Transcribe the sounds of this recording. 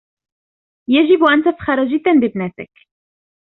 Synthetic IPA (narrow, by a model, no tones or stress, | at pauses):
jaʒɪbʔant̪afxɑɾˤɑʒɪd̪ːanlɪbnaːt̪ɪk